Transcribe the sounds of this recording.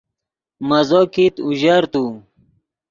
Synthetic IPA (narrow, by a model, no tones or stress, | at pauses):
mɐzoːkit̪uʑaɾt̪u